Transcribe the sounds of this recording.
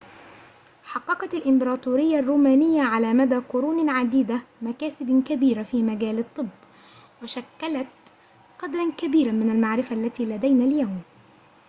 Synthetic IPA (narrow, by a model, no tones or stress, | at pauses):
ħɑqːɑqɑt̪alʔɪmbɑɾˤɑːt̪ˤuːɾɪjːarˤːuːmaːnɪjːaʕalaːmad̪aːqʊɾuːnʕad̪iːd̪amakaːsɪbkabiːɾafiːmaɡaːlɨt̪ˤːɨbː | waʃakːalat̪ | qɑd̪ɾˤɑnkabiːɾamɪnalmaʕɾɪfaʔlːat̪iːlad̪ajnaːljawm